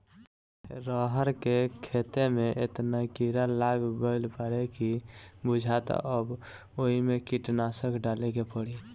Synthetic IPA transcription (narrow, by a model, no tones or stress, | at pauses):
ɾəɦəɾkekʰet̪emeʔet̪nakiɾalaɡɡəɪlpəɾekibud͡ʒʱat̪əb | oɦimekiʈnasəkɖalekepəɽi